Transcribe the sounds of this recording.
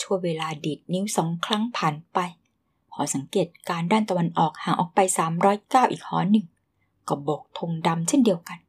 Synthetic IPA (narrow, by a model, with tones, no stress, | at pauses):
t͡ɕʰu˥˩əweː˧laː˧diː˨˩t̪̚ni˦˥wsɔː˩˦ŋkʰɾa˦˥ŋpʰaː˨˩npa˧j | kʰɔː˩˦sa˨˩˦ŋkeː˨˩t̪̚kaː˧ndaː˥˩nt̪a˧wa˧nʔɔː˨˩k̚haː˨˩ŋʔɔ̰ː˨˩k̚pa˧jsaː˩˦mɾɔː˦˥jkaː˥˩wʔiː˨˩k̚hɔː˨˦nɯ˨˩ŋ | kɔː˧˥˩bo˨˩k̚t̪ʰo˧ŋda˧mt͡ɕʰe˥˩ndi˧əwka˧n